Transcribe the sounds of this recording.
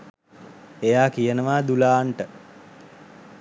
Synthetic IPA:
ejaːkijənəʋaːd̪ulaːɳʈə

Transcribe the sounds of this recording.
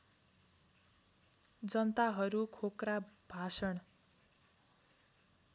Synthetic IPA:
d͡zʌnʌt̪aɦʌɾukʰokrab̥ʱasʌɽ

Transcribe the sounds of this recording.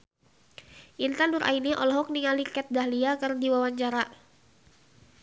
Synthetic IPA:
ʔint̪anduɾʔa̰iniʔɔ̰lɔɦɔk̚niŋalikɛt̪̚daɦliakɨrdiwawaɲt͡ʃaɾa

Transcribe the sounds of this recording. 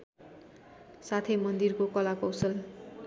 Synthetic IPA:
sat̪ʰʌjmʌnd̪irkokʌlakʌwsʌl

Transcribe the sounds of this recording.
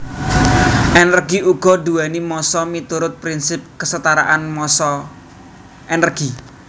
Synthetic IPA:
ʔenərɡiʔuɡ̥ɔ̤d̪uanimɔsɔmit̪uɾʊt̪̚pɾinsɪp̚kəsət̪aɾa̰ʔanmɔsɔ | ʔenərɡ̥i

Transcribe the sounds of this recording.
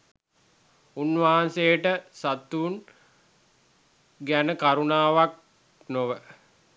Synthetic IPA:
unːʋaɦansejəʈəsat̪ːuːn | ɡænəkaɾunaːʋak̚ | noʋə

